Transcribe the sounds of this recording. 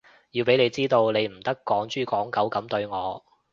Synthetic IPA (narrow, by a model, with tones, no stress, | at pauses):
jiː˧wpe˨˥jle˨˧jt͡siː˥t̪o˧wne˨˧jm̩˨˩t̪ɐ˥kːɔː˨˥ŋt͡ʃyː˥kɔː˨˥ŋkɐ˨˥wkɐ˨˥mt̪ɵ˧ɥŋɔː˨˧